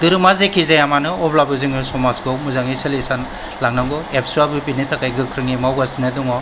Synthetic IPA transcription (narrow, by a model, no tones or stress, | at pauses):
dɯɾɯmazekʰizajamanɯɔblabɯzɯŋɯsɔmasɡɯmuzaŋiselisan | laŋnaŋɡɔepʰsuabɯpinitʰakajɡɯkʰɾɯŋimawɡasinɯduŋɔ